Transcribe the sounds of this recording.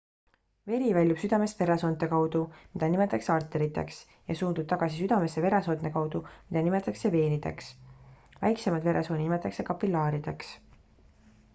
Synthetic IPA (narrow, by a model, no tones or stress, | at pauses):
ve̞ɾivælʲjub̥syd̪̥ɑme̞st̪ve̞ɾeso̞ːnt̪ːˑe̞kɑwd̪̥umid̪̥ɑnime̞t̪ːˑɑkseɑrt̪ːˑe̞ɾit̪ˑːe̞̰ks | jɑsuːnd̪ub̥̚t̪ɑɡ̥ɑsisyd̪̥ɑme̞sːeve̞ɾeso̞nne̞kɑwd̪̥umid̪̥ɑnime̞t̪ːˑɑkse̞ve̞ːnid̪e̞̰ks | væ̰jkse̞mɑd̪ve̞ɾʔeso̞ːninimet̪ːˑɑkse̞kɑpilːɑːɾid̪̥e̞ks